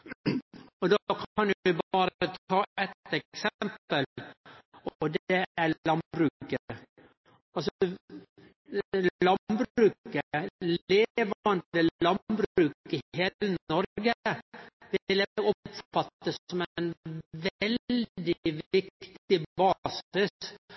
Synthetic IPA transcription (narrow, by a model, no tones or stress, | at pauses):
ɔd̪okʰɑnɪbɑːɾt̪ɑːʔɛt̪ɛksɛmpəl | ɔd̪ɛælɑnbɾʉːkə | ɑlsɔ | lɑnbɾʉːkəleːʋɑndd̪əlɑnbɾʉːkəɦeːlənnɔɾɡə | ʋɪlɛɔpfɑt̪ːəsɔmnʋɛld̪ɪʋɪk̚t̪t̪ɪbɑːsɪs